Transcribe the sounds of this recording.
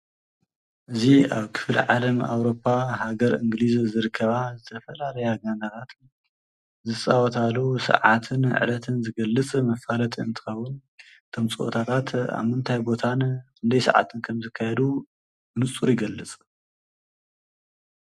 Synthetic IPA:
ʔɨziaβkʰɨ̥flʕalɐma̰wɾo̞pʰːahaɡɐɾɨ̰ŋɡɨlizzɨɾɨkʰːɐβazɨt̪ʰɐfɐlalɐjaɡandat̪ʰat̪ | zɨsʼawɔt̪ʰalːusɐ̰ʕat̪ʰɨn̰ʕɨ̰lɐt̪ʰɨnzɨɡɐlːɨt͡sʼmɐfalɐt̪ʰʼiɨ̰nt̪ʰɨ̥xɐwːun | t̪ʰomt͡sʼɨʔo̰t̪ʰat̪ʰat̪a̰βmɨnt̪ʰajbo̞t̪ʰankɨnd̪ɐjsɐ̰ʕa̰t̪ʰɨnkʰɐmzɨkʰːajɛd̪u | mɨt͡sʼuɾɪɡɐlːɨt͡sʼ

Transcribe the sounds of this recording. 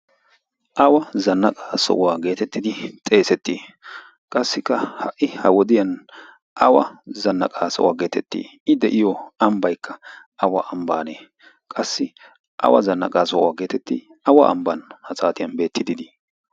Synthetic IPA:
ʔɐwɐzɐnːɐkʼaːsɔ̰waːɡe̞ːt̪ɛt̪ːɪd̪ɪt̪ʼe̞ːsɛt̪ːiː | kʼɐsːɪkːɐhɐʔːɪhɐwɔd̪ɪjɐn | ʔɐwɐ̰zɐnːɐkʼaːsɔ̰wa̰ːɡe̞ːt̪ɛt̪ːḭːɪd̪ɛʔɪjɔɐmbɐjkʰːɐ | ɐwɐʔɐmbaːneː | kʼɐsːɪ | ʔɐ̰wɐ̰zɐnːɐ̰kʼaːsɔwaːɡe̞ːt̪ɛt̪ːɪ | ɐwɐ̰ʔɐ̰mbɐnhɐsaːt̪ɪjɐnbe̞ːt̪ːɪd̪ɪd̪i

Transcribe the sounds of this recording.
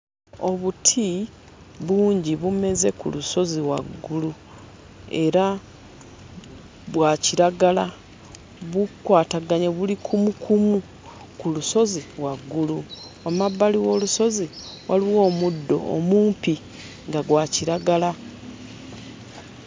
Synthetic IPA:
o̞βutʰi | βuːɲɟiβume̞ze̞kṵluso̞ziwa̰ɡːulu | e̞̰ɾa | βwaciɾaɡala | βukwaːtaɡaɲeβulikʰumukʰumu | kuluso̞ziwaɡːuluomabːaliwo̞luso̞ziwaliwo̞ːmudːo̞̰ːmuːmpi | ŋɡaɡwaciɾaɡala

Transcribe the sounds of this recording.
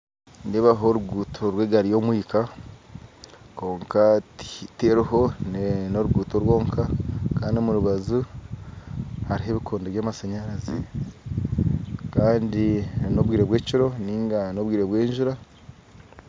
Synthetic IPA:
neːβaɦo̞ɾuɡuːtʰo̞ɾweːɡaɾijo̞mwiːka | ko̞ːŋkatiteɾuho̞nnoɾuɡuːto̞ɾwo̞ːŋkʰakaːndiomuɾuβazu | haɾiɦe̞βikʰoːndoβjaːmasaɲaɾazḭ | kaːndino̞βwiːɾeβwe̞ːciɾo̞niːŋɡano̞βwiːɾeβweːnʒuɾa

